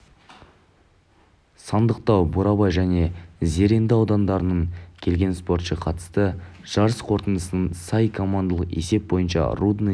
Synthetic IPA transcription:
sɑnd̪əqt̪ɑwbuɾɑbɑjʒæne̞ze̞ɾe̞nd̪ɪɑwd̪ɑnd̪ɑɾənəɴkʲʰe̞lʲɡʲe̞nspo̞rt̪ʃəqʰɑt̪ə̥st̪əʒ̥ɑɾəsqʰo̞ɾt̪ənd̪əsənənsɑjkʰo̞mand̪alˠəqe̞̰se̞p̚bo̞jənʃɑ̰rud̪n

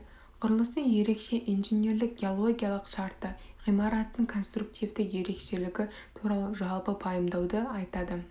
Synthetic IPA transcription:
qʰʊɾəlˠəst̪əŋje̞ɾe̞kʃe̞ʔijnʒene̞ɾlɪk̚ɡʲeolˠo̞ɡʲijalˠəqʃɑɾt̪ːəʁijmɑɾɑt̪ənːəɴkʰo̞nst̪ɾuk̚t̪ivd̪ɪkje̞ɾe̞kʃe̞lɪɡʲɪ | t̪ʰuɾɑlˠəʒɑlˠpəpʰɑjəmd̪ɑwd̪əɑjt̪ɑd̪ə

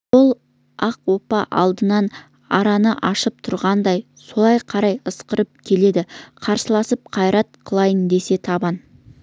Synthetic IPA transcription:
wʊlˠ | ɑqwo̞pɑʔɑ̰lˠd̪ənɑn | ɑ̰ɾɑnəʔɑʃəp̚t̪ʰʊɾʁɑnd̪ɑj | so̞lˠɑjqʰɑɾɑjəsqəɾəp̚kʲʰe̞le̞d̪ɪqʰɑɾsəlˠɑsəp̚qʰɑjɾɑt̪̚qʰəlˠɑjənd̪e̞se̞t̪ʰɑbɑn

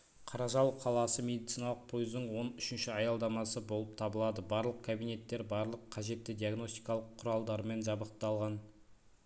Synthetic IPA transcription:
qʰɑɾɑʒɑwqʰɑlˠɑsəme̞d̪it̪sijnɑlˠəq̚pʰo̞jzd̪əɴwo̞nʏʃɪnʃɪɑjɑlˠd̪ɑmɑsəbo̞lˠəp̚t̪ʰɑbəlˠɑd̪əbɑɾlˠəq̚kʲʰabijne̞t̪ːe̞ɾbɑɾlˠəqʰːɑʒe̞t̪ːɪd̪iaɡno̞st̪ijkɑlˠəqʰːʊɾɑlˠd̪ɑɾme̞nʒɑbəqt̪ɑlˠʁɑn

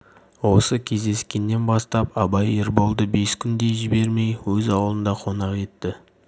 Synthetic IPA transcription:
wo̞səkʲʰe̞zd̪e̞skʲe̞nːe̞nbɑst̪ɑpɑbɑjeɾbo̞lˠd̪əbe̞skʲʰʏnd̪e̞jʒɪbe̞ɾme̞jwɵzɑwlˠənd̪ɑqʰo̞nɑqe̞t̪ːɪ

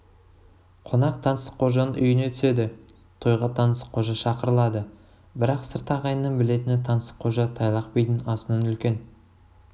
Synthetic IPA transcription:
qʰo̞nɑqt̪ʰɑnəsə̥qʰo̞ʒɑnənʔʏ̰jɪnet̪ʰʏ̥se̞d̪ɪ | t̪ʰo̞jʁɑt̪ʰɑnəsə̥qʰo̞ʒɑʃɑqəɾəlˠɑd̪ə | bɪɾɑqsəɾt̪ɑʁɑjənːəɴbɪle̞t̪ɪnɪt̪ʰɑnəsə̥qʰo̞ʒɑt̪ʰɑjlˠɑqpejd̪ɪnɑsənənʏlkʲe̞n

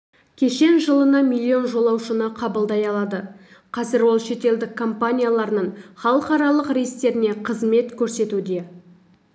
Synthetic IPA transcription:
kʲʰe̞ʃe̞nʒəlˠənɑmilʲˠːio̞nʒo̞lˠɑwʃənəqʰɑbəlˠd̪ɑjɑlˠɑd̪ə | qʰɑzɪɾwo̞lˠʃe̞t̪e̞ld̪ɪkʰːo̞mpanʲijalˠɑɾnəɴχɑlˠəqɑɾɑlˠəqɾejst̪e̞ɾɪne̞qʰəzme̞t̪kʲʰɵɾse̞t̪ud̪e̞

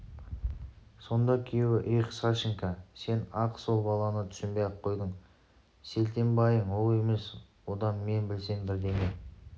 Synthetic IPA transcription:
so̞nd̪ɑkʲʰijewɪʔejqsɑʃɪŋkɑse̞nɑqso̞lˠbɑlˠɑnət̪ʰʏ̥sɪmbejɑp̚qʰːo̞jd̪əɴ | se̞lt̪e̞mbɑjəɴwo̞lˠe̞me̞swo̞d̪ɑnme̞nbɪlse̞nbɪɾd̪e̞me

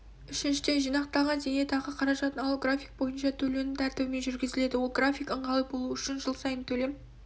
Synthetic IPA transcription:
ʏʃɪnʃɪd̪e̞ʒijnɑqt̪ɑʁəd̪e̞ne̞t̪ʰɑʁəqʰɑɾɑʒɑt̪ənɑlˠɡrafʲijk̚bo̞jənʃɑt̪ʰɵlenɪt̪ʰæɾt̪ɪwɪme̞nʒʏɾɡʲɪzɪle̞d̪ɪwo̞lˠɡrafʲijkəɴʁɑlˠəp̚bo̞lˠuʏʃɪnʒəlˠsɑjənt̪ʰɵle̞m

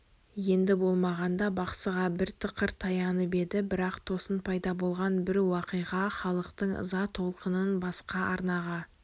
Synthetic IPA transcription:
je̞nd̪ɪbo̞lˠmɑʁɑnd̪ɑbɑqsəʁɑbɪɾt̪ʰəqəɾt̪ʰɑjɑnəpe̞d̪ɪbɪɾɑqt̪ʰo̞sənpʰɑjd̪ɑbo̞lˠʁɑnbɪɾwɑqəjʁɑχɑlˠəqt̪əɴə̰zɑt̪ʰo̞lˠqənənbɑsqɑʔɑɾnɑʁɑ

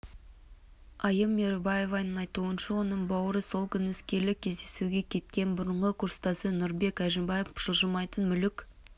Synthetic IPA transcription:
ɑjəmːeɾebɑje̞vɑjnənɑjt̪uənʃɑwo̞nəɴbɑwəɾəso̞lˠkʲʰʏnɪskʲe̞ɾlɪkʲʰe̞zd̪e̞suɡʲe̞kʲʰe̞t̪̚kʲe̞nbʊɾəɴʁəkʰʊɾst̪ɑsənʊɾbe̞kæʒɪmbɑjefʒ̥əlˠʒəmɑjt̪ənmʏlɪkʲ

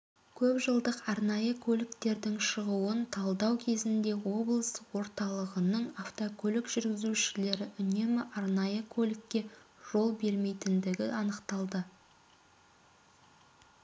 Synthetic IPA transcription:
kʲʰɵpʒəlˠd̪əqɑɾnɑjəkʲʰɵlʲɪkt̪e̞ɾd̪ɪŋʃəʁuənt̪ʰɑlˠd̪ɑwkʲʰe̞zɪnd̪e̞wo̞blˠəswo̞ɾt̪ɑlˠəʁənəɴaft̪okʲʰɵlʲɪkʒ̥ʏɾɡʲɪzuʃɪle̞ɾɪʔʏne̞mɪʔɑɾnɑjəkʲʰɵlɪkʲːe̞ʒ̥o̞lˠbe̞ɾme̞jt̪ɪnd̪ɪɡʲɪɑnəqt̪ɑlˠd̪ə

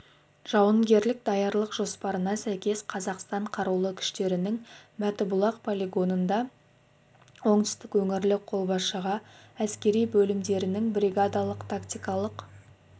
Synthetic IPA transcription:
ʒ̥ɑwəŋɡʲe̞ɾlɪk̚d̪ɑjɑɾlˠəqʒo̞spɑɾənɑsæjkʲe̞sqʰɑzɑqst̪ɑɴqʰɑɾulˠəkʲʰʏ̥ʃt̪e̞ɾɪnɪŋmæt̪ɪbʊlˠɑqpʰolʲiɡo̞nənd̪ɑ | wo̞ɴd̪ʏ̥st̪ɪkwɵŋɪɾlɪqʰo̞lˠbɑsʃəʁɑæskʲe̞ɾijbɵlɪmd̪e̞ɾɪnɪŋbɾiɡad̪ɑlˠəqt̪ʰakt̪ʲijkɑlˠəq

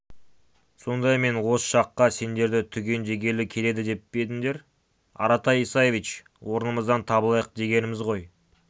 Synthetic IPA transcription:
so̞nd̪ɑjme̞nwo̞sə̥ʃɑqːɑse̞nd̪e̞ɾd̪ɪt̪ʰʏɡʲe̞nʒe̞ɡʲe̞lɪkʲʰe̞le̞d̪ɪd̪e̞p̚b̥e̞t̪ɪŋd̪e̞ɾ | ɑ̰ɾɑt̪ɑjisɑjevit͡ʃ | wo̞ɾnəməzd̪ɑnt̪ʰɑbəlˠɑjəq̚d̪e̞ɡʲe̞nɪmɪzʁo̞j

